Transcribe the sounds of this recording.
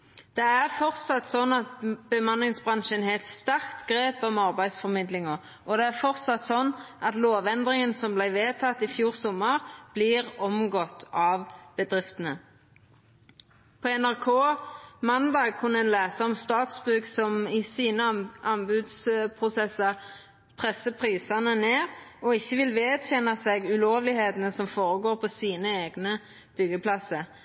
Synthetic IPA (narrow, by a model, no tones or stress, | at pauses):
d̪̥ɛæʁfɔʁt̪sɑt̪sɔnːɑt̪̚b̥əmɑnlɪŋsbʁɑnʃənhɛlt̪st̪æʁkt̪ɡʁeːpɑmɑʁbæɪd̪sfɔʁmɪd̪lɪŋəʁ | ʔɔd̪ɛæʁfɔʁt̪sɑt̪sɔnːʔɑt̪loːʋɛnd̪ʁɪŋənsɔmblæɪʋeːt̪ʰɑt̪ːɪfjuːʁsɔmːəʁb̥lɪʁɔmɡɔt̪ːɑːʋb̥əd̪ʁɪft̪ənə | pʰɔɛnæʁkʰoːmɑnd̪ɑːɡ̚kʰʊnɛːnlæːsəʁɔmst̪ɑːt̪sbʉːksɔmɪsiːnəʔɑnbʉd̪spʰʁʊsɛsɑʁ | pʰʁɛsːəpʰʁiːsɑnəneːʁɔɪçːəʋɪlʋeːd̪çɛnɑsɛɡʉloːʋlɪheːt̪n̩əsɔmfoːʁəɡoːʁpʰɔsiːnəeːɡnə | b̥ʏɡəpʰlɑsə